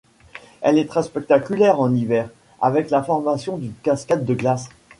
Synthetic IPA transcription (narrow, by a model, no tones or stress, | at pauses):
ɛlɛt̪χɛspɛk̚t̪akʲylɛʁɑ̃nivɛʁ | a̰vɛklafɔʁmasjɔ̃d̪ynkaskad̪ːəɡlas